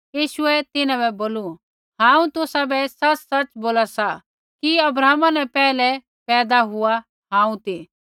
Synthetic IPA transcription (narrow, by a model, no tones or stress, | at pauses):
jiːʃʊɛt̪ɪnãbɛboːlu | ɦãːũt̪ʊsabɛsɐt͡ʃsɐt͡ʃboːlasa | kiɐbɾaːmanɛ̃pɛːlɛ | pɛːd̪aɦʊa | ɦãːũt̪iː